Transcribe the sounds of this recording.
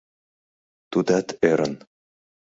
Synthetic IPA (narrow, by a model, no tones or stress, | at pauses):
t̪ud̪æt̪ʰeɾə̆n